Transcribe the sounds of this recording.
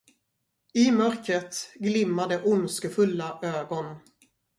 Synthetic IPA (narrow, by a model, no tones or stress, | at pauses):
ɪmœɾkɾət̪ɡlɪmːad̪əʔʊnskəfɵlːaʔøːɡɔn